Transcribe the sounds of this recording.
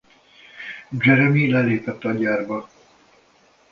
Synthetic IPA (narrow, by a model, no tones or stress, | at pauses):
d͡ʒɛɾɛmilɛleːpɛt̪ːɒɟaːrbɒ